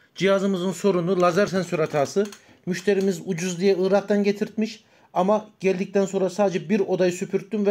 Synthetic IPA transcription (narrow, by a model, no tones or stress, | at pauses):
d͡ʒijazɯmɯzɯnso̞ɾunulˠazæɾsɛnsøɾat̪ʰaːsɯ | myʃt̪ʰe̞ɾimizud͡ʒuzd̪ijɛɯːɾaqt̪ɑnɟet̪ʰiɾt̪miʃ | amaɟ̥ælʲd̪ic̚t̪ʰænso̞nɾasaːd̪ed͡ʒɛbiɾo̞d̪ajɯsypʰyɾt̪ːymvɛ